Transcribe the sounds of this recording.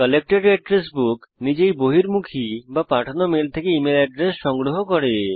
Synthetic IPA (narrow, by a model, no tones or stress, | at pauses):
kɔlek̚ʈeɖɛɖɾes̬buknid͡ʑejboɦiɾmukʰibapaʈʰonomelt̪ʰekeimelɛɖɾesʃɔŋɡɾoɦokɔɾe